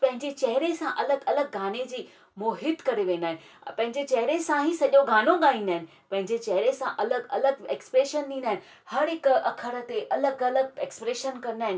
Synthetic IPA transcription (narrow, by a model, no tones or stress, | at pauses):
pɐ̃ɦɪ̃ɲd͡ʑet͡ɕɐɦɪɾesãʔɐləɡɐləɡ̚ːʱaːned͡ʑiː | moːɦɪt̪kɐɾeʋẽːn̆d̪aːɦɪ̃nɪ̆ | pɐ̃ɦɪ̃ɲd͡ʑet͡ɕɐɦɪɾesãɦĩsɐʄoɡʱaːnoɠaːĩːn̆d̪aːɦɪnɪ̆ | pɐ̃ɦɪ̃ɲd͡ʑet͡ɕɐɦɾesãʔɐləɡɐləɡ̚eːkspɾeːʃənt̪ʰĩːn̆d̪aːɪnɪ̆ | hɐɾɦɪkɐkʰəɽə̆t̪eʔɐləɡɐləɡ̚eːkspɾeːʃənkɐɾnaːɦɪnɪ